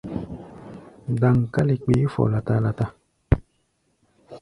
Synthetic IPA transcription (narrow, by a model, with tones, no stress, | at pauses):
da˨ŋ˨ka˦li˨k͡pe˨˦fɔ̰˨la˨ta˦la˨ta˦